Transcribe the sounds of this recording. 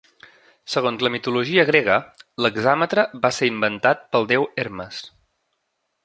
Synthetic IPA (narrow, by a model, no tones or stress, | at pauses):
səɣ̞onzləmit̪uluʒiəɣɾɛɣələɡzamət̪ɾəβaseɾimbənt̪at̪̚pəlˠd̪ɛweɾməs